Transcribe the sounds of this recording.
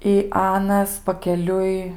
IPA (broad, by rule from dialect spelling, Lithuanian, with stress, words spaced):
ɪ ˈɑːnɐs pɐkʲɛˈlʲʊɪ